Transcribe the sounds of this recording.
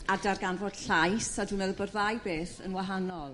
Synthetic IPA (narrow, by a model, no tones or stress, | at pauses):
adarɡanvod̥ɬajsadunəðəbɔrðajbeːθə̰nwaɦanɔlˠ